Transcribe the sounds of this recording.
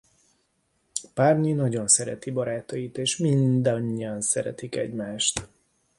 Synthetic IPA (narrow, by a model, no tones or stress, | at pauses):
parɲinɒɟo̞nsɛɾɛ̰t̪ibɒɾaːt̪ɒjit̪eːʃmind̪ɒɲːiɒnsɛɾɛ̰t̪ikɛ̰ɟmaːʃt̪